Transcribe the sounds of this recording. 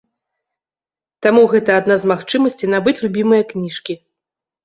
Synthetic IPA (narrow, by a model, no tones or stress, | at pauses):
t̪amuɣɛt̪ɐad̪nazmaxt͡ʂɨmɐsʲt͡sʲinabɨt͡sʲlʲubʲimɨjɐknʲiʂkʲi